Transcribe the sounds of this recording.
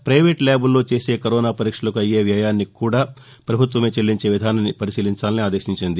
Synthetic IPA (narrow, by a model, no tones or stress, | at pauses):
pɾɐjʋe̞ːʈlʲaːbulːo̞ːt͡ʃe̞ːse̞ːkɐɾɔːnaːpɐɾiːkʂɐlɐkuɐje̞ːʋjaːjaːnːikuːɽaː | pɾɐbʱut̪ʋɐmeːt͡ʃelːiɲt͡ʃe̞ːʋid̪ʱaːnɐnipɐɾisiːliɲt͡ʃaːlɐniaːd̪eːʃiɲt͡ʃind̪i